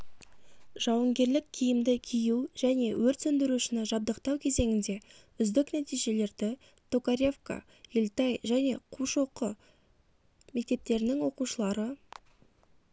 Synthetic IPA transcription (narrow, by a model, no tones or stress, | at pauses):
ʒ̥ɑwəɴɡʲe̞ɾlɪkʲʰijɪmd̪ɪkʲʰijuʒ̥æne̞wɵɾt̪sɵnd̪ɪɾuʃɪnɪʒɑb̚d̪əqt̪ɑwkʲʰe̞ze̞ŋʲɪnd̪e̞ | ʏzd̪ɪknæt̪ijʒe̞le̞ɾd̪ɪ | t̪ʰokaɾʲe̞fka̰ | jelt̪ɑjʒæne̞qʰuʃo̞qə | me̞k̚t̪e̞p̚t̪e̞ɾɪnɪŋwo̞quʃəlˠɑɾə